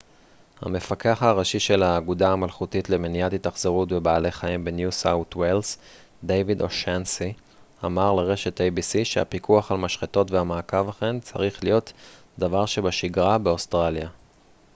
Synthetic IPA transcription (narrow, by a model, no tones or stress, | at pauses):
ha̰me̞fake̞aχaʁaʃiʃe̞laːɡudaamalχutitle̞menijatitaχz̥eʁutbe̞baːle̞χaimbe̞njusawt̪wels | d̪ejvidoʃensi | amaʁleʁe̞ʃe̞tejbisiʃeha̰pikʰuaχalmaʃχeto̞tveamaːkavaχe̞nt͡sa̰ʁiχlijo̞t | davaʁʃebaʃiɡʁabe̞ostʁalja